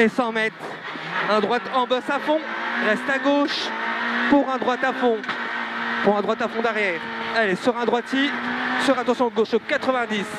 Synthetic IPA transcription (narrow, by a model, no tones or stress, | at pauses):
esɑ̃mɛt̪ | ɛ̃d̪ʁwat̪ɑ̃bɔsafɔ̃ʁɛst̪aɡoʃ | puʁɛ̃d̪ʁwat̪afɔ̃ | puʁɛ̃d̪ʁwat̪afɔ̃d̪ɛʁjɛːʁɛlesyʁɛ̃d̪ʁwat̪isyʁat̪ɑ̃sjɔ̃ɡoʃokat̪χəvɛ̃d̪is